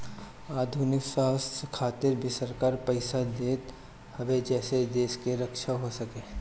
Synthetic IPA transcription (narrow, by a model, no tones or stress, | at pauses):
aːd̪ʱunɪksaːskʰaːt̪ɪɾbʱisəɾkaːɾpəɪsad̪eːt̪ | hɐʋed͡ʒɛːsed̪eːʃkeɾɐkʃaɦosɐkẽː